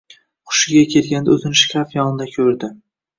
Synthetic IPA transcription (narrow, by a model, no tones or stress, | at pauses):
qʰʊ̥ʃɪɡʲakʲʰe̞lɡʲand̪aot̪ʰɪnʃkʲʰafjɒnɪd̪akʲʰɵɾd̪ɪ